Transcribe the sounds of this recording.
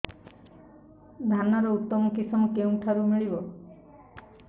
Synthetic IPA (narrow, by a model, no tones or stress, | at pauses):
d̪ʱanɔɾɔut̪ːɔmɔkisɔmɔkew̃ʈʰaɾumiɭibɔ